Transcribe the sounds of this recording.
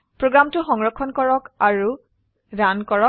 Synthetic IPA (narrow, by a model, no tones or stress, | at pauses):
pɹoɡɹamtʊxɔŋɹɔkʰːɔnkɔɹɔkaɹu | dankɔɹɔk